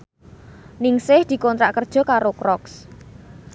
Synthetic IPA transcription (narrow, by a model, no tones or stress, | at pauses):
nɪŋsɪhd̪̥i̤kɔnt̪ɾaʔkərd̥ʒ̥ɔ̤kaɾokɾɔks